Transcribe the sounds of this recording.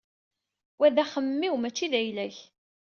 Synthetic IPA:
wæðæχəmːiwmæt͡ʃːiðæjlæç

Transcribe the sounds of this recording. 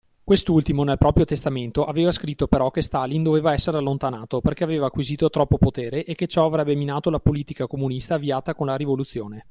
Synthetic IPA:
kwest̪ult̪imonelpɾɔːpɾjot̪est̪ament̪oʔaveːvaskɾit̪ːopeɾɔk̟est̪alind̪oveːvaɛsːeɾealːont̪anaːt̪operkeaveːvaːkːwiziːt̪ot̪ɾɔpːopot̪eːɾeʔekːet͡ʃɔavɾɛbːeminaːt̪olapoliːt̪ikakomunist̪aːviaːt̪akonlaɾivolut̪sːjoːne

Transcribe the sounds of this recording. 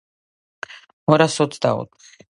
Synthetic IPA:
mɔɾasɔt̪ʰd̪a̰ɔ̰t̪ʼχ

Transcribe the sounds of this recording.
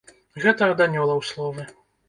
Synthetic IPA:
ɣɛt̪ɐːd̪anʲɔlˠɐwslˠɔvɨ

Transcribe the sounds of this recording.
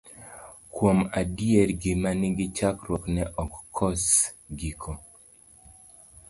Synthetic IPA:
kwomadieɾɡɪmanɪɡɪt͡ʃakɾwɔknɛʔɔkːʰɔs | ɡikʰɔ

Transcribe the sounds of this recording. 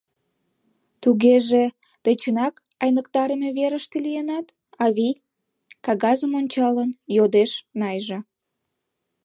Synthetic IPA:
t̪uɣeʒe | t̪et͡ɕənɑk | ɑjnəkt̪ɑɾəmeβeɾəʃt̪elijenɑt̪ | ɑβij | kɑɣɑzəmonʲt͡ɕɑlənjod̪eʃnɑjʒe

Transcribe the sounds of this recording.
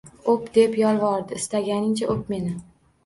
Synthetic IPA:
opd̪e̞pjɒlˠvɒɾd̪ɪɪst̪aɡʲanɪŋt͡ʃʰaʔop̚me̞nɪ

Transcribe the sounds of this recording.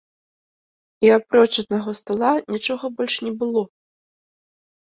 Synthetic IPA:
iapɾɔt͡ʂɐd̪naɣɔst̪alˠanʲit͡ʂɔɣɐbɔlʲʂnʲɛbɨlˠɔ

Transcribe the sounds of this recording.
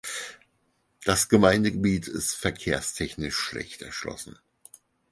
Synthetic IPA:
d̥asɡ̥əmaɪndəɡəbiːtʰɪ̰stfɛɐkʰeːɐstʰɛçnɪʃːlɛ̰çtɛ̰ɐʃlɔ̰sn̩

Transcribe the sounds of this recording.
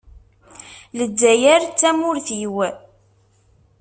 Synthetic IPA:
lədːæjæɾt͡sːæmʊɾθjwæ

